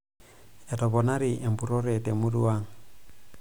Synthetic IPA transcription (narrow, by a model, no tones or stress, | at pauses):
jatoβonaɾiʔempuɾoɾetemuɾuaŋ